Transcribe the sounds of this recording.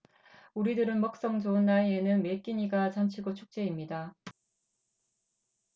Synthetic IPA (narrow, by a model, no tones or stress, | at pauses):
uɾidɯɾɯnmʌk̚s͈ʌŋd͡ʑoɯnːaie̞nɯnme̞k͈iɲiɡat͡ɕant͡ɕʰiɡot͡ɕʰu̥k̚t͡ɕ͈e̞imɲida